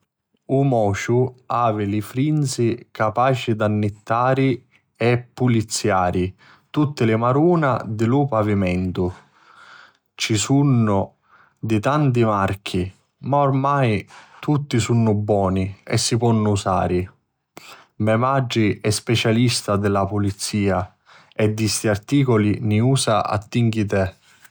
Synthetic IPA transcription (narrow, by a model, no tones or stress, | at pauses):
umɔːʃuaːvɪlɪfɾinsikapaːt͡ʃid̪anːɪt̪ːaːɾi | ɛpːulit̪sːjaːɾi | t̪ut̪ːɪlɪmaɾuːnad̪ɪlupavimɛnt̪u | t͡ʃisunːʊ | d̪it̪ant̪̬imark̟ʰi | maormajt̪ʰut̪ːisunːʊbːwɔːniɛ̰sːipɔnːʊusa̰ːɾi | mɛmad͡ʒːiɛspɛt͡ʃalist̪ad̪ɛlapulit̪sːiːa | ɛd̪ːist̪iart̪iːkɔliniuːsaa̰t̪ːiŋkit̪ɛ